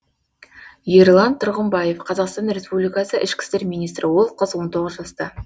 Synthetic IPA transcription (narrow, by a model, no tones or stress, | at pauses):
jeɾlˠɑnt̪ʰʊɾʁəmbɑje̞fqʰɑzɑqst̪ɑnɾe̞spublijkɑsəʔɪʃkʲɪ̥st̪e̞ɾmijnijst̪ɾɪwo̞lˠqʰəzwo̞nt̪ʰo̞ʁəzʒɑst̪ɑ